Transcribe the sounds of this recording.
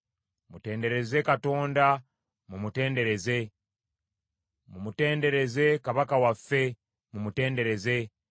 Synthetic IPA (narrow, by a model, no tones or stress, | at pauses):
mute̞ːnde̞ɾe̞ze̞kato̞ːnda | mumute̞ːnde̞ɾe̞ze̞ | mumute̞ːnde̞ɾe̞ze̞kaβakawafːe̞ | mumute̞ːnde̞ɾe̞ze̞